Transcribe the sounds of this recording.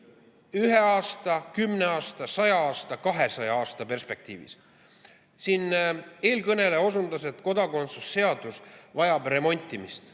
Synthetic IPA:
yɦe̞ɑːst̪ɑkymne̞ɑːst̪ɑsɑjɑɑːst̪ɑkɑɦe̞sɑjɑɑːst̪ɑpe̞rspe̞k̚t̪ḭːvḭs | siːne̞ːlkɤne̞le̞o̞sund̪ɑset̪ˑko̞d̪̥ɑko̞nt̪susːe̞ɑd̪̥usvɑjɑbre̞mo̞nʲt̪ʲːˑimist̪

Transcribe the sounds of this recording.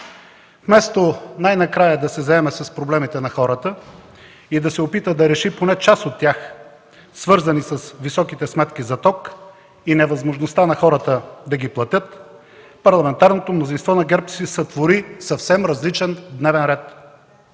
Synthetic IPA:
fmɛst̪onajnɐkɾajəd̪ɐsɛzɐɛmɛsɐspɾoblɛmit̪ɛnɐxɔɾət̪ə | id̪ɐsɛopit̪əd̪ɐɾɛʃiponɛt͡ʃasot̪ːjax | svɤɾzɐnisɐsvisɔkit̪ɛsmɛt̪kʲizɐt̪ɔk | inɛvɐzmoʒnost̪anɐxɔɾət̪əd̪ɐɡiplˠɐt̪ʲɤt̪ | pɐɾlˠɐmɛnt̪aɾnot̪omnozinst̪vɔnɐɡɛɾpsisɐt̪voɾisɐfsɛmɾɐzlit͡ʃɛnd̪nɛvɛnɾɛt̪

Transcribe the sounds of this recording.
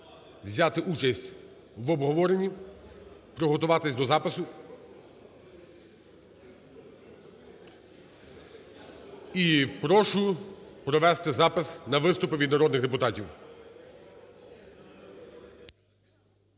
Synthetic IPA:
wzʲat̪ɪʔut͡ʃɐsʲtʲ | wʋɔbɦɔʋɔɾenʲːi | pɾɔɦɔt̪ʊʋɑt̪ɪsʲd̪ɔzɑpɪsʊ | ipɾɔʃʊpɾɔʋɛst̪ɪzɑpɪsnɐʋɪst̪ʊpɪʋʲid̪nɐɾɔd̪nɪxd̪epʊt̪ɑtʲiw

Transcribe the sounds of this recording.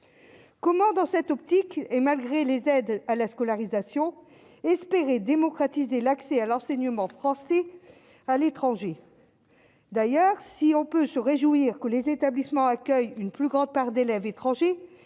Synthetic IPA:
kɔmɑ̃d̪ɑ̃sɛt̪ɔpt̪ikɛmalɡʁelezɛd̪alaskɔlaʁizasjɔ̃ | ɛspeʁed̪emɔkχat̪izelaksɛalɑ̃sɛɲəmɑ̃fχɑ̃sɛ | alet̪χɑ̃ʒe | d̪ajœʁsiɔ̃pøsəʁeʒuiʁkəlezet̪ablismɑ̃akʲœjynplyɡʁɑ̃d̪̚paʁd̪elɛvet̪χɑ̃ʒe

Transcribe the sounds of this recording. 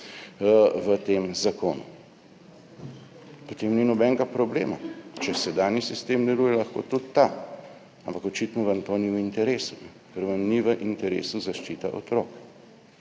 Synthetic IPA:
ʋət̪eːmzakoːnṵ | pot̪eːmninɔbɛŋɡapɾɔblḛːmat͡ʃɛsɛd̪aːnjisist̪eːmd̪ɛluːjɛlaxko̰ːt̪ut̪ːa | ampakɔt͡ʃit̪nɔʋənt̪oniwint̪ɛɾeːsunɛ | kəɾʋənniʋəʔint̪ɛɾḛːsuzaʃt͡ʃiːt̪aʔo̰t̪ɾoːk

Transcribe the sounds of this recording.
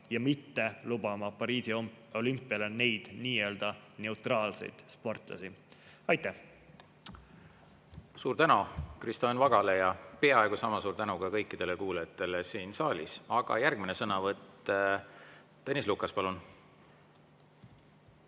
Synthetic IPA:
jɑmit̪ːe̞lub̥ɑmɑpɑɾiːsiom | o̞lympːˑiɑlene̞jd̪̥niːe̞ːld̪̥ɑne̞wt̪rɑːlsḛjd̪̥spo̞rt̪ˑlɑ̰si | ɑjt̪ːæh | suːɾt̪ænukrist̪ɑnvɑɡɑle̞jɑpeɑe̞ɡ̥usɑmɑsuːɾt̪ænukɑkɤjkːˑid̪̥e̞le̞kuːlɑjɑt̪ːˑe̞lesiːnsɑːlʲisɑɡ̥ɑ̰jærɡminesɤnɑvɤt̪ːe | t̪ːenislukːɑspɑlun

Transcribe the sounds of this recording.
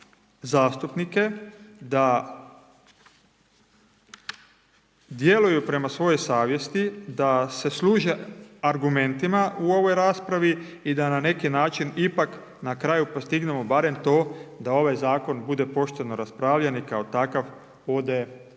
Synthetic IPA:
zaːst̪upnike̞d̪a | d̪je̞lujupɾe̞masʋo̞jo̞jsaːʋje̞st̪id̪ase̞sluːʒe̞aɾɡume̞nt̪imaʔuo̞ʋo̞jɾaːspɾaʋiid̪anane̞kinaːt͡ʃinipak | nakɾaːjupo̞st̪iɡne̞mo̞baɾe̞mt̪o̞ːd̪ao̞ʋajzaːko̞nbud̪e̞po̞ʃt̪eno̞ɾaspɾaːʋʎanikao̞t̪akaʋ | o̞d̪e̞

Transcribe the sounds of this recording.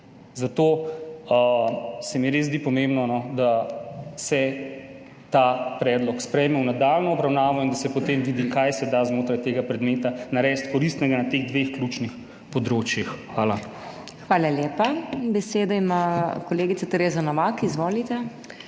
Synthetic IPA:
zat̪oːəsɛmiɾeːzd̪iːpɔmembnɔnɔd̪a | sɛ | t̪apɾɛːd̪lɔkspɾɛjmɛwnad̪alnɔɔbɾawnaːʋɔind̪asɛpɔt̪emʋiːd̪ikajsɛd̪aːzmoːt̪ɾajt̪eːɡapɾɛd̪meːt̪anaɾɛːst̪kɔɾist̪nɛɡanat̪eːɣd̪ʋexkluːt͡ʃnix | pɔd̪ɾoːt͡ʃjixxʋaːla | xʋaːlaljeːpabɛseːd̪ɔimakɔleːɡit̪sat̪ɛɾeːzanɔʋakizʋoːlit̪ɛ

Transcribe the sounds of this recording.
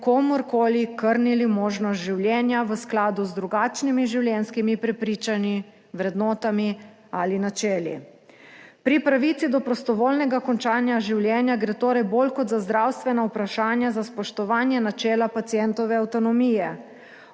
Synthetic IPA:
komɔɾkoːlikəɾnilimoːʒnɔst̪ʒiwljɛːnjaʋəsklaːd̪uzd̪ɾuɡaːt͡ʃnimiʒiwljɛːnskimipɾɛpɾiːt͡ʃani | ʋɾɛd̪nɔːt̪ami | alinat͡ʃɛːlḭ | pɾipɾaʋiːt̪sid̪ɔpɾɔst̪ɔʋoːlnɛɡakɔnt͡ʃaːnjaʒiwljɛːnjaɡɾeːt̪oːɾɛjboːlkɔt̪zazd̪ɾawst̪ʋɛnaupɾaʃaːnjazaspɔʃt̪ɔʋaːnjɛnat͡ʃɛːlapat̪sijɛnt̪ɔʋɛawt̪ɔnɔmiːjɛ

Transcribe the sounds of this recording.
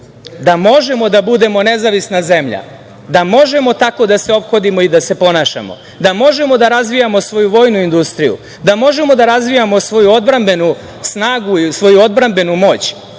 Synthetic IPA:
d̪amo̞ʒe̞mo̞d̪abud̪e̞mo̞nezaʋisnaze̞mʎa̰ | d̪amo̞ʒe̞mo̞t̪ako̞d̪ase̞o̞pxo̞d̪imo̞id̪ase̞po̞naːʃa̰mo̞̰ | d̪amo̞ʒe̞mo̞d̪aɾazʋijamo̞sʋo̞juʋo̞ːjnuind̪ust̪ɾijṵ | d̪amo̞ʒe̞mo̞d̪aɾazʋijamo̞sʋo̞juo̞d̪bɾambe̞nu | snaːɡuisʋo̞juo̞d̪̚bɾambe̞numo̞ːt͡ɕ

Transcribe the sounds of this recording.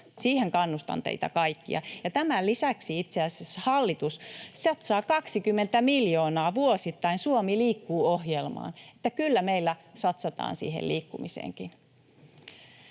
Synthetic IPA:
siːheŋkɑnːust̪ɑ̰nt̪ḛit̪ɑ̰kɑikːḭɑ̰jɑt̪æmælisæksiit̪seɑseshɑlːit̪ussɑt̪sɑːkɑksikymːent̪æmiljoːnɑːʋuosit̪ːɑinsuomiliːkːuːohjelmɑ̰ːnet̪ːækylːæmeilːæsɑt̪sɑt̪ɑ̰ːnsḭːhḛliːkːumisḛːŋkin

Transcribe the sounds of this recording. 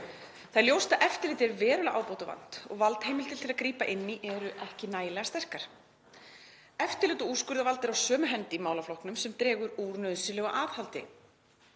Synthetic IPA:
θaðljowst̪aʔɛft̪ɪɾlɪːt̪ɛɾvɛːɾʏlaɣʔaːwpowt̪ava̰n̥t̪ɔ̰ɣvalt̪heːjmɪlt̪ʰɪlt̪ʰɪlaðkɾiːpaʔɪnːiʔɛɾʏʔɛhcɪnaːjlɛɣast̪ɛr̥kaɾ̥ | ɛft̪ɪɾlɪːt̪ʏuskʏɾðavalt̪ɪɾawsœːmʏɦɛnt̪ɪimaːwlaflowhknʏmsɛmt̪ɾɛːɣʏɾuːɾnœðsɪlœːɣaʔaːðhalt̪ɪ̰

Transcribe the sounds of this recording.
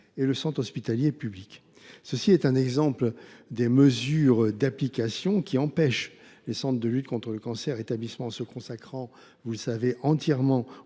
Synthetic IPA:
eləsɑ̃t̪χɔspit̪aljepyblik | səsiɛt̪ɛ̃nɛɡzɑ̃pld̪eməzyʁd̪aplikasjɔ̃kʲiɑ̃pɛʃ | lesɑ̃t̪χəd̪əlyt̪̚kɔ̃t̪χələkɑ̃sɛʁet̪ablismɑ̃ɑ̃səkɔ̃sakχɑ̃ | vuləsaveʔɑ̃t̪jɛʁmɑ̃

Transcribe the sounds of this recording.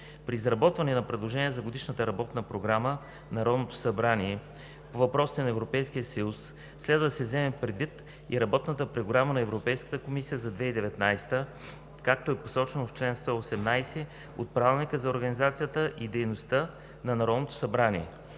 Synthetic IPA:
pɾizɾɐbɔt̪vɐnɛnɐpɾɛd̪lˠoʒɛniɛzɐɡod̪iʃnət̪əɾɐbɔt̪nəpɾoɡɾamə | nɐɾɔd̪not̪o̥sɐbɾaniɛ | povɐpɾɔsi̥t̪ɛnɐɛvɾopɛjsk̟ijəsɐjusː | lɛd̪vəd̪sɛvzɛmɛpɾɛd̪vit̪ | ḭɾɐbɔt̪nət̪əpɾoɡɾamənɐɛvɾopɛjskə̥t̪əkomisijəzɐd̪vɛid̪ɛvɛt̪najst̪ə | kak̚t̪oɛposɔt͡ʃɛnoft͡ʃlɛnst̪ɔosɛmnajsɛ | ot̪̚pɾavilˠnikəzɐoɾɡənizat̪sijət̪əʔid̪ɛjnost̪ə | nɐnɐɾɔd̪not̪o̥sɐbɾaniɛ̰

